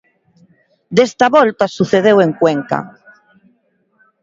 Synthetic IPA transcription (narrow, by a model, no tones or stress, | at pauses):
d̪est̪aβɔlt̪asuθeðeweŋkweŋka̰